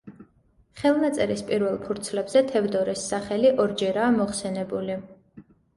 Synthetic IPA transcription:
χɛlˠnat̪sʼɛɾispʼiɾvɛlˠpʰuɾt̪sʰlɛbz̥ɛt̪ʰɛvd̪ɔɾɛsːaχɛliʔɔɾd͡ʒɛɾaːmɔχsɛnɛbuli

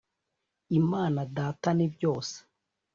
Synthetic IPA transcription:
imaːnadaːtanibjo̞ːse̥

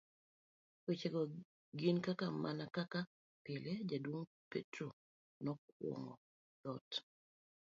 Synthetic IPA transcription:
wet͡ʃɛɡɔ | ɡinkakamʔanakaka | pɪled͡ʒadwoŋpḛtɾo | nɔkwɔ̰ŋɔ̰ | lɔt

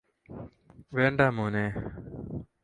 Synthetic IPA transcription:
ʋeːɳɖaːmoːnẽː

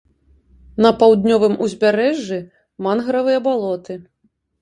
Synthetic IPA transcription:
nɐpawd̪nʲɔvɨmuzʲbʲaɾɛʐːi | manɣɾɐvɨjɐbalˠɔt̪ɨ

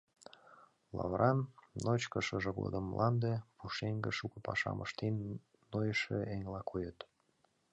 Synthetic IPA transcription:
lɑ̰βɾʔɑnnot͡ɕkəʃəʒĕɣo̰d̪əmːlʔɑnd̪epuʃeŋɡeʃukɤ̆pɑʃɑ̰mʔə̰ʃt̪enː | ojəʃeeŋlɑkʰojət̪

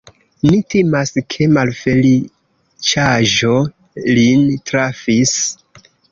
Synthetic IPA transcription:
nitemaskʰe̞malfe̞li | t͡ʃaʒo̞ | lintɾafis

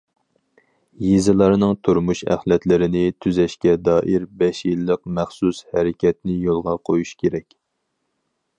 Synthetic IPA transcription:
jezɨlˠɑɾnɨŋt̪ʰuɾmuʃæ̰χlɛt̪lɪɾɪnɪt̪ʰyzɛʃkʲɛd̪ɑːʔiɾbɛʃjilˠːəqmæχsushæɾɪkʲɛt̪̚nɪjolˠʁɑqʰojuʃkʲʰeɾɛkʲ

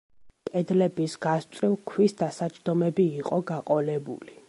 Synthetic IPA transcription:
kʼɛd̪lɛbisɡ̥ast̪ʼɾilkʰwisd̪asat͡ʃʰʼd̪ɔmɛbiːqʼɔɡaqʼɔlɛbṵli

